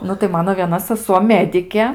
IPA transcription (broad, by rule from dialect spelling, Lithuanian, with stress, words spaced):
ˈnʊ tɐɪ ˈmɑːnoː ʋʲiɛˈnɐ sɐˈsuɔ ˈmʲæːdʲɪkʲeː